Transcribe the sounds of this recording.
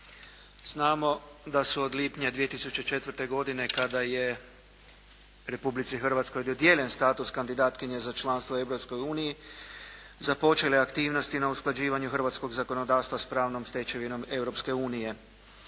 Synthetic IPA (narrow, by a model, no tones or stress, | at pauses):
z̥naːmo̞d̪asuod̪liːpɲad̪ʋije̞t̪isut͡ɕe̞t͡ʃe̞t̪ʋr̩t̪e̞ɡo̞d̪ine̞kad̪aje̞ | ɾe̞publit̪sixr̩ʋat̪sko̞jd̪od̪je̞ːlʎe̞nst̪aːt̪uskand̪id̪aːt̪kiɲezat͡ʃlˠanst̪ʋoe̞wɾo̞psko̞juːniji | zapo̞t͡ʃe̞leakt̪iːʋno̞st̪inausklˠad͡ʑiːʋaɲuxr̩ʋat̪sko̞ɡzako̞no̞d̪aːst̪ʋaspɾaːʋno̞mst̪et͡ɕe̞ʋino̞me̞wɾo̞pske̞uːnije̞